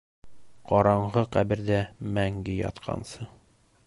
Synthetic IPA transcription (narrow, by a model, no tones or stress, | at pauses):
qɒɾɑɴʁɤqæbɘ̆ɾd̪æmæŋɡɘjɒ̰t̪qʰɑ̰nsɤ